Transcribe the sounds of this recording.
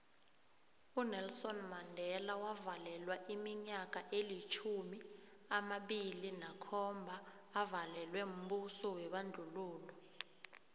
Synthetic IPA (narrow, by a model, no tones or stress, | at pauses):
unɛlsɔnmandʱɛlawavalɛlwaʔimiɲak̬ʼaʔelit͡ʃʰumi | amaɓilinakʰɔmbʱaː | valɛlwɛum̩ɓusɔwɛɓand͡ɮʱuluːlɔ